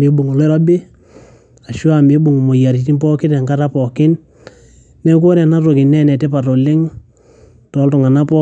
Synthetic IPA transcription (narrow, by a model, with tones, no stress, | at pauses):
me˨˦bu˨ŋo˨lɛ˦ɾɔ˦bɪ˦ | a˨ʃʊ˦a˨me˦bu˨ŋ˨mo˨ja˨ɾi˨ti˦mpɔ˦kɪ˦ta˨ŋɡa˦ɾa˦pɔ˨kɪ˦n | nɛ˦k̬wo˦ɾa˨na˦ɾo˨kɪ˨nɛ˦nɛ˨te˦pa˨to˨lɪ˦ŋ | tɔ˨˦ltʊ˨ŋa˨na˦pɔ˦